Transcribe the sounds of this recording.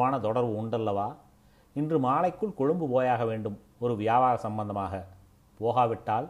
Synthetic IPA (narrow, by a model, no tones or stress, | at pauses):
aːnɐt̪ɔɽɐɾʋɯʊɳɖɐlːɐʋaː | ɪndrɯmaːlɐɪkːɯɭkʊɻɯmbɯpoːjaːɣɐʋeːɳɖɯm | ɔɾɯʋɪjaːbaːɾɐsɐmbɐnd̪ɐmaːɣɐ | poːɣaːʋɪʈːaːl